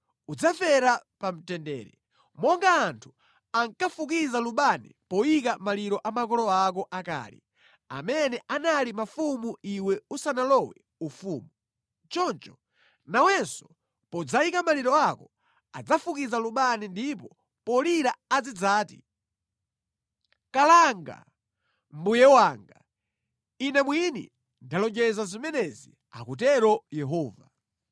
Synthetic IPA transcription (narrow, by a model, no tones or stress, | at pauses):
ud͡zafɛɾapam̩tɛndɛːɾɛ | mɔŋɡaːntʰu̥ | aŋkafuk̬izaluɓanḭpɔjikamaliɾɔʔamak̬ɔlɔak̬ɔʔaka̰ːlḭ | a̰mɛnɛʔanalimafumuiwɛusanalɔwɛ̰ | ufuːmu | t͡ʃɔnt͡ʃɔ̥ | nawɛnsɔ̥ | pɔd͡zaikamaliɾɔakɔ | a̰d͡zafukid͡zaluɓanindip̬ɔ | pɔliɾaad͡zid͡zaːtḭ | kalaŋɡa̰ | mbujɛwaːŋɡa | inɛmwinḭ | ndalɔd͡ʒɛzazimɛnɛzi | a̰kut̬ɛɾɔjɛɦɔːva